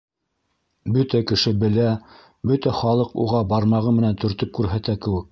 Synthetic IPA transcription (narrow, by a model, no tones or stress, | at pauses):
bɵt̪ækɘ̆ʃɘbɘ̆læ | bɵt̪æχɑlˠɤqṵʁɑbɑɾmɑʁɤmɘ̆nænt̪ɵ̆ɾt̪ɵp̚kʉɾɦæt̪ækɘ̆wɘk̚